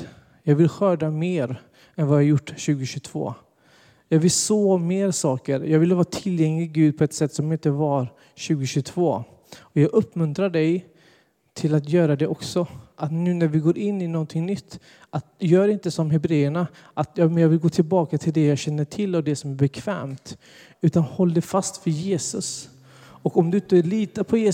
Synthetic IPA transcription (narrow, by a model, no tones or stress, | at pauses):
jɑːɡvɪlɧœːɖameːɾ | ɛnvajɑajʊʈːɕʉ̟ːɡʊɕɵt̪ʰv̥o̰ː | jɑːɡvɪlsoːmeːɾsɑːkəɾjɑːɡvɪlːəvɑːɾt̪ʰɪljɛŋlɪɡʉ̟ːd̪̚pʰɔɛt̪sɛt̪ːsɔmɪnt̪əvaɾ | ɕʉ̟ːɡʊɕɵt̪ʰvoː | ɔjɑːɡɵpːmɵnt̪ɾaɖɛj | t̪ʰɪlat̪jœːɾad̪ɛʔɔksɔʔat̪nʉ̟ːnæɾvɪɡoːɾʔɪnːɪnɔnt̪ʰɪŋnʏt̪ː | ʔat̪jœːɖɪnt̪əsɔmɦɛbɾeːəɳa | ʔat̪jɑːmɛnjɑːɡvɪlɡoːt̪ʰɪlbɑːkat̪ʰɪld̪ɛjɑːɡɕɛnːəʈʰɪlːad̪ɛsɔmæɾbɛkʰv̥ɛ̰ːmt̪ | ʉ̟ːt̪anhɔlːd̪ɛfast̪fœɾjeːsɵs | ɔkɔmd̪ɵɪnt̪əæɭiːt̪əpʰɔjeː